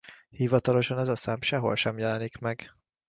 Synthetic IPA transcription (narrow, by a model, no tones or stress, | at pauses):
hivɒt̪ɒlo̞ʃɒnɛzɒsaːmʃɛɦo̞̰lʃɛmjɛlɛnikmɛɡ̥